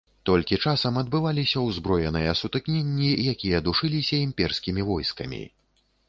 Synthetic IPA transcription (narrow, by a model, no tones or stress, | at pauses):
t̪ɔlʲkʲit͡ʂasɐmɐd̪̚bɨvalʲisʲɐwzbɾɔjɛnɨjɐsut̪ɨknʲenʲːijakʲijɐd̪uʂɨlʲisʲɐimʲpʲɛrskʲimʲivɔjskɐmʲḭ